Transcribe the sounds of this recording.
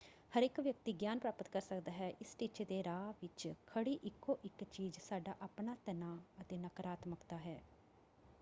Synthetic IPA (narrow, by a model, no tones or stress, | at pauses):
həɾɪkʋjək̚t̪iːɡjaːnpɾaːpət̪kəɾsəkd̪aːɦɛːʔɪsʈit͡ʃed̪eːɾaːʋɪt͡ʃkʰəɽiːʔɪkːoːʔɪkt͡ʃiːzsaːɖaːʔaːpɳaːt̪ənaːət̪eːnəkɾaːt̪məkt̪aːɦɛː